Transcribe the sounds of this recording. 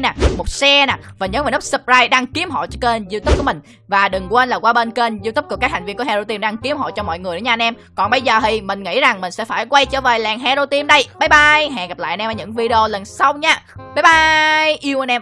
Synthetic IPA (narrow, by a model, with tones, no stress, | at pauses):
naː˨˩mo˨˩t̚sɛ˧naː˨˩vaː˨˩ɲəː˨˦maː˨˩nə˦˥p̚sə˧˩p̚zaː˧jɗaː˧ŋki˨˦əmɦo̰˧˨jt͡ɕɔ˧ke˧nzi˧t̪u˦˥p̚ku˧˩əmï̟˨˩ | vaː˨˩ɗɨ˨˩ŋkwe˧nlaː˨˩kwaː˧ɓe˧nke˧nzi˧t̪p̚ku˧˩əka˦˥k̚ha˨˩ŋ̟vi˧ku˧˩˦hɛ˧o˧t̪i˧mɗaː˧ŋki˨˦əmɦo̰˧˨jt͡ɕɔ˧mɔ̰˧˨jŋɨ˨˩jəː˧˦ɲaː˧nʔɛ˧mkɔ˨˩nɓə˧jzəː˨˩ɦi˧˩mï˨˩ŋ̟ŋḭ˧˥za˨˩ŋmï˨˩ŋ̟sɛ̰˧˥faː˧˩jkwa˧jt͡ɕə̰ː˧˩veː˨˩jlɛː˨˩ŋɦɛ˧zo˧t̪i˧mɗə˧jɓa˨˦jɓa˧jɦɛ̰ː˨˩ɣa˨˩pla̰ː˧˨ʔnʔɛ˧məː˧˩ɲɨ̰˧˥ŋvi˧ɗe˧o˧lə˨˩nsa˧wɲaː˧aː˨˦jɓa˧jʔi˧əwʔnʔɛ˧m